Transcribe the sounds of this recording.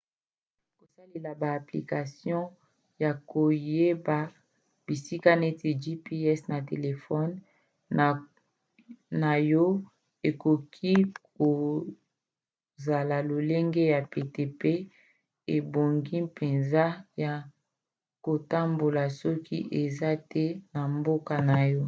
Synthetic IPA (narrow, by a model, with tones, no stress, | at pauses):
ko˨sa˦le˨la˨baː˨pli˨ka˨sjɔ̃˦ | ja˨ko˨je˦ba˨ | b̥i˨si˦ka˦ne˦te˨d͡ʒi˦pi˦ɛ˦sna˨te˨le˨fɔ˦n˨ | na˨jɔ˦ | e˨ko˨kʰi˦ko˨ | za˨la˨lo˨le˦ŋɡe˦ja˨pe˨te˨pe˦ | e˨bo˨ŋɡi˦pe˨nza˦ja˨ | ko˨ta˦mbo˨la˨sɔ˦kḭ˦ʔe˨za˦tʰɛ˦na˨mbo˦ka˨na˨jɔ˦